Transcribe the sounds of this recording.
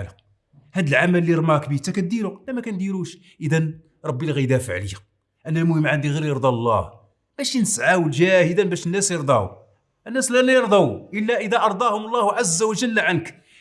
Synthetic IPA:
ləq̚ | hæd̪əlʕamælːiɾˤmækbit̪ækæd̪iɾʊqlːæmækænd̪iɾuʃ | ʔəd̪æn | ɾˤɑbːilɣid̪æfəʕləjæq | ʔænælmʊhəmːʕand̪iɣiɾjəɾˤd̪ˤɑlˤːɑ̰h | b̥æʃinəsʕawəlʒæhəd̪ænbæʃənːæsjəɾˤd̪ˤɑ̰ | ʔənːæslælæjəɾˤd̪ˤɑwʔəlːæʔəd̪æʔɑɾˤd̪ˤɑhʊmlˤːɑhʕazːæwəʒəlːʕank

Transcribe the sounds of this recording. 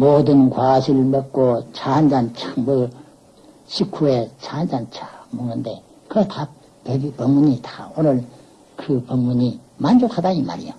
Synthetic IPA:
modɯnkwaɕʰilmet̚k͈ot͡ɕʰand͡ʑant͡ɕʰamɯ | ɕʰikʰuet͡ɕʰand͡ʑant͡ɕʰḁmoŋnɯnde | kɯtʰa | pebipʌŋmuɲitḁonɯɭ | kɯpʌŋmuɲi | mand͡ʑokhadaima̰ɾḭjo̰

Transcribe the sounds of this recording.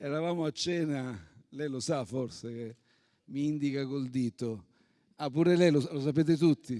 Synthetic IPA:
ɛɾavaːmoat͡ʃːɛːnalɛjlosaforseke | miind̪ikakold̪iːt̪o | apːuːɾelɛjlosalos̬apeːt̪̬et̪ut̪ʰːi

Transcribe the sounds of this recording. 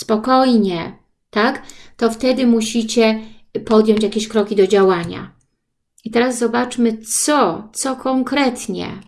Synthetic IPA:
spɔkɔjɲɛ | t̪akt̪ɔft̪ɛd̪ɘmuɕit͡ɕɛpɔd̪jɔɲt͡ɕjakʲeɕkɾɔkʲid̪ɔd͡ʑawaɲa̰ | it̪ɛɾazzɔbat͡ʂmɘsɔt̪sɔkʰɔŋkɾɛt̪ɲɛ̰

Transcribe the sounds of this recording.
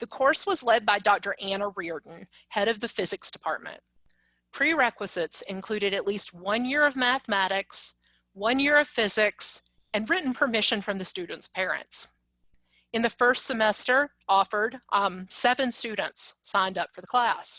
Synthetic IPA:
ðɨkʰɔɹswʌzlɛd̚baɪdɔk̚tə˞ʔæ̃nəɹiə˞dⁿn̩ | hɛɾʌvðɨfɪzɨksd̥ɨpʰɑɹt̚mɨ̰̃n | pʰɹ̥iɹɛkwəz̥ɪtsɨ̃nkʰl̥ʉɾɨɾɨtˡlist̚wʌ̃njɪɹʌvmæθəmæɾɪks | wʌ̃njɪɹʌv̥fɪzɪks | ɨ̃nɹɪʔn̩pʰə˞mɪʃɨ̃nfɹʌ̃mðɨstʉdⁿn̩tspʰɛɹɨ̰̃nts | ɨ̃nðɨfɜ˞stsɨmɛstə˞ | ɔfə˞dʔsɛvɨ̃nstʉdⁿn̩tsãɪ̃ndʌpfə˞ðəkʰl̥æs

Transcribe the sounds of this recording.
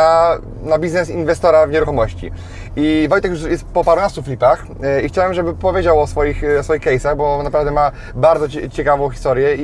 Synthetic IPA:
a | nabʲiznɛsinvɛst̪ɔɾavɲɛɾuxɔmɔɕt͡ɕḭ | ivɔjt̪ɛkjuʂjɛst̪pɔpaɾunast̪uflʲipax | ixt͡ɕawabɘmʐɛbɘpɔvjed͡ʑawɔsfɔjixɔsfɔjixkɛjsaɣbɔnapɾavd̪ɛma | baɾd̪zɔt͡ɕɛkavɔ̃w̃xʲi̥st̪ɔɾjɛi

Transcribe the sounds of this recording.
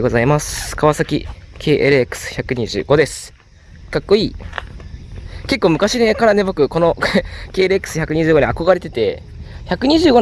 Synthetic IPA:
ɡo̞zaimaskaβasakʲḭkʰe̞ːʔeɾɯ̟ekɯ̥sɨ̥çakɯ̟ɲ̟iʑɨ̰ːɡo̞d̪e̞sɨ̥ | kakːo̞iː | ke̞kːo̞ːmɯ̟kaɕinekaɾane̞bo̞kɯ̟ko̞no̞ke̞ːɾɯ̟ekːɯ̥sɨ̥çakɯ̟ɲ̟iʑɨːɡo̞ɲiako̞ɡaɾe̞t̪e̞t̪e̞ | çakɯ̟ɲ̟iʑɨːɡo̞

